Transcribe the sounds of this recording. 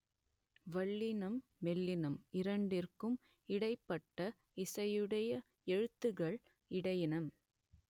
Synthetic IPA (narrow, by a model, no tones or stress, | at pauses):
ʋɐɭːɪnɐmːɛlːɪnɐmɪɾɐɳɖɪrkɯm | ɪɽɐɪpːɐʈːɐ | ɪsɐjɯɽɐjɐ | ɛɻɯt̪ːɯɣɐɭ | ɪɽɐjɪnɐm